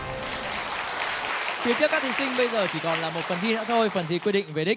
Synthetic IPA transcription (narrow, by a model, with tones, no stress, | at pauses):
fi˧ət͡ɕəkːaː˦˥t̪ʰi˨˩ŋsï˧ŋ̟ɓə˧jzəː˨˩t͡ɕi˧˩kɔ˨˩nlaː˨˩mo˨˩t̚fə˨˩nt̪ʰi˧na̰˧˥t̪ʰo˧jfə˨˩nt̪ʰḭ˧˩kwi˧ɗḭ˧˨ŋ̟ve˨˩ɗï˦˥k̟̚